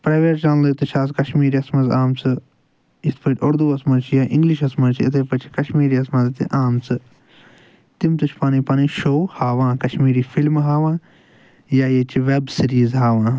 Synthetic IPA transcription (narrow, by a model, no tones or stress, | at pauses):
pɾaːʋeːʈt͡ʃaːnlɐt̪ut͡ʃʰaːs̬kɐʃmiːɾiɐsmɐzaːmt͡sɨ | it̪pʰɐʈʲoɾd̪uːɐsmɐt͡ʃʰijaːʔĩŋɡliʃɐsmɐt͡ʃʰɐt̪ʰeːpɐt͡ʃʰi̥kɐʃmiːɾiɐsmɐzt̪ḭʔaːmt͡sɨ | t̪imt̪ut͡ʃʰpaːnipaːniʃoːhaːʋãːkɐʃmiːɾiːfʰilmɦaːʋãː | jaːjet͡ʃʰiʋeːbsiɾiːzɦaːʋãː